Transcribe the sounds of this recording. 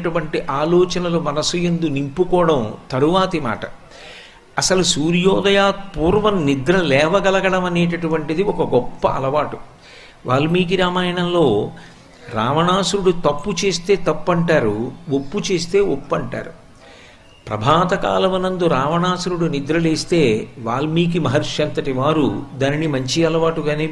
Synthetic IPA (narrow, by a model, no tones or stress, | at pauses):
ʈuʋɐɳʈiʔaːlɔːt͡ʃɐnɐlumɐnɐsujend̪unimpukɔːɽɐmt̪ɐɾuʋaːt̪ima̰ːʈɐ | ɐsɐlusuːɾjɔːd̪ɐjaːt̪̚puːɾʋɐnnid̪ɾɐlɛːʋɐɡɐlɐɡɐɽɐmɐne̞ːʈɐʈuʋɐɳʈid̪iɔkɐɡɔpːɐ̰ʔɐ̰lɐʋaːʈu | ʋʔaːlmiːk̬iɾaːmaːjɐɳɐmlo̞ː | ɾaːʋɐɳaːsuɾuɽut̪ɐpːut͡ʃe̞ːst̪e̞ːt̪ɐpːɐɳʈaːɾuopːut͡ʃe̞ːst̪e̞ːopːɐɳʈa̰ːɾu | pɾɐ̰bʱaːt̪ɐka̰ːlɐmɐnɐnd̪uɾaːʋɐɳaːsuɾuɽunid̪ɾɐleːst̪e̞ːʋaːlmiːk̬imɐɦɐɾʂjɐnt̪ɐʈiʋaːɾud̪aːninimɐɲt͡ʃiɐlɐʋaːʈuɡaːneː